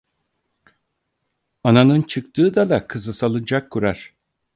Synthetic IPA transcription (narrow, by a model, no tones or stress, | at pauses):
ananɯnt͡ʃʰɯkt̪ʰɯːd̪ad̪akʰɯzɯsalˠɯnd͡ʒakʰːuɾaɾ̥